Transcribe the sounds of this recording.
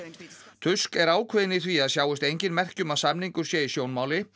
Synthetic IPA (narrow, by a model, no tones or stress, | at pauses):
t̪ʰʏskɛɾaːwkʰvɛðɪniθviaðsjaːwɪst̪ejɲcɪnmɛr̥cʏmaðsamniŋkʏɾ̥sjɛisjoːwnmaːwlɪ